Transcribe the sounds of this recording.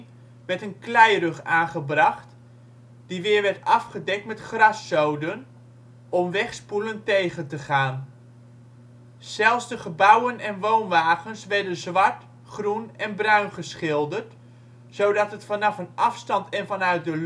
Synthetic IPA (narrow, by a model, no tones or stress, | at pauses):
ʋɛɹtənklɛjrøχaːnχəbrɑχt | d̥iʋɪːɹʋɛɹtɑfχədɛk̚tmɛtχrɑsːowdən | ɔmʋɛχspuləntejχəntəχaːn | z̥ɛlˠsdəχəbʌwənɛnʋownʋaːɣənsʋɛɹdənzʋɑɹt | χrunɛnbrœɥnχəsχɪlˠdərt | sowdɑtətfɑnɑfənɑfstɑntʰɛnfɑnœɥt̚dəl